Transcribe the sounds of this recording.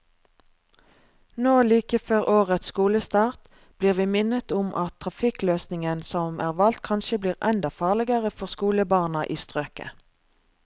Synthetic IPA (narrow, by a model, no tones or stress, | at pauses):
noːliːkəføːʁʔoːʁət̪sskuːləst̪ɑːʁt̪ | b̥liːʁʋiːmɪnət̪ʊmʔɑt̪ʰʁɑfɪkløːsnɪŋənsɔmʔæːʁʋɑlt̪̚kʰɑnʃəbliːʁɛnd̪ɑfɑːʁlɪɡəʁəfɔʁskuːləbɑːʁnɑʔiːst̪ʁøːkə̰